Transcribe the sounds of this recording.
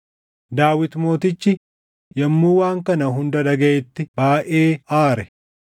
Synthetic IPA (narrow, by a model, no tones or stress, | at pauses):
d̪aːwɪt̪mo̞ːt̪ɪt͡ʃːɪ | jɐmːuːwaːŋkɐnɐɦʊnd̪ɐᶑɐɡɐʔɛt̪ːɪbaːʔe̞ːaːɾɛ